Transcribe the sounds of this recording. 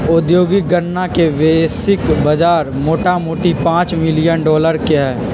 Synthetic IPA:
ʊd̪joːɡiɡənːakeʋeːsɪkbɐd͡ʒaːɾmoːʈamoːʈipãːt͡ʃmɪlijənɖɔːləɾkeɦɛː

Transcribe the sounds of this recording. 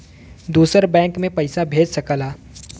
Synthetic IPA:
d̪uːsəɾbɛ̃ːŋkmẽpɐɪsabʱeːd͡ʒsɐkəlaː

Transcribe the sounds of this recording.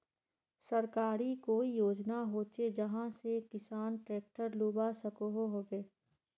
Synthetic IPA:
səɾkaːɾikoːijoːd͡ʒnaɦoːt͡ʃed͡ʒɐɦãsekɪsaːnʈɾeːk̚ʈəɾluːbasəkoɦoɦoːbeː

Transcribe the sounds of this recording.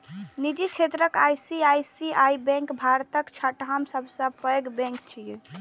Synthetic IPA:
nid͡ʒit͡ʃʰet̪ɾəkajsiajsiajbɛ̃ŋkbʱaɾt̪əkt͡ʃʰaʈɦamsəbʱsə̃pəjɡbɛ̃ŋkt͡ʃʰije

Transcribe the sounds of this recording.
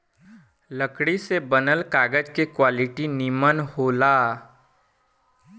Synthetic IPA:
ləkɽisebənəlkaːɡəd͡ʒkekwaːlɪʈinimənhoːlaː

